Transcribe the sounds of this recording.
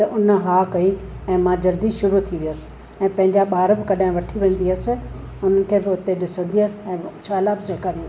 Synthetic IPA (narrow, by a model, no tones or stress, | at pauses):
t̪ɐʔʊnɦaːkɐi | ɛ̃ːmãd͡ʑɐld̪iʃʊɾut̪ʰiʋiəsɪ̥̆ | ɛ̃ːpɐ̃ɦɪɲd͡ʑaɓaːɾəbɪ̆kɐɗaɪ̃ʋɐʈʰiʋẽːn̆d̪iəːsɪ | ʊn̤ənɪ̆kʰeːbɪʊt̪eɗɪsə̃nd̪iəsɪɛ̃ːt͡ɕʰaːɪlaːbseɦɪkaːɾĩn